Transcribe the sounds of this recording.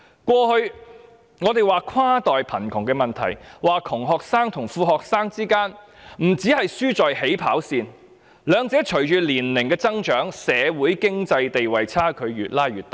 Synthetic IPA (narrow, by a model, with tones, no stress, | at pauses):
kwɔː˧hɵ˧ɥ | ŋɔː˨˧t̪e˨jwaː˨kʰaː˥t̪ɔː˨jpʰɐ˨˩nkʰʊ˨˩ŋkɛː˧mɐ˨nt̪ʰɐ̰˨˩jwaː˨kʰʊ˨˩ŋɦɔː˨k̚saː˥ŋt̪ʰʊ˨˩ŋfuː˧ɦɔː˨k̚saː˥ŋt͡siː˥kaː˥nm̩˨˩t͡siː˨˥hɐ˨jsyː˥t͡sɔː˨jhe˨˥jpʰa̰ː˨˥wsiː˨n | lœː˨˧ŋt͡sɛː˨˥t͡ʃʰɵ˨˩ɥt͡ʃyː˨liː˨˩nlɪ˨˩ŋkɛː˧t͡sɐ˥ŋt͡ʃœː˨˥ŋsɛː˨˧wuː˨˥jkɪ˥ŋt͡sɐ˧jt̪e˨jwɐ˨jt͡sʰaː˥kʰɵ˨˧ɥɥyː˨t̚laː˥jɥyː˨˩t̪ːɐ˨˩